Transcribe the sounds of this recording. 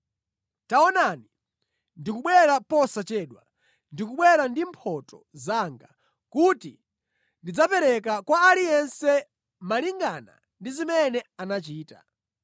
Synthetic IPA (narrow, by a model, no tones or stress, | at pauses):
taɔnani | ndikuɓwɛɾapɔsat͡ʃɛɗwa | ndikuɓwɛɾandimpʰɔtɔ | zaŋɡa | kutḭ | ndid͡zapɛɾɛk̬akwaːlijɛnsɛ | maliŋɡana̰ | ndizimɛnɛanat͡ʃiːta̰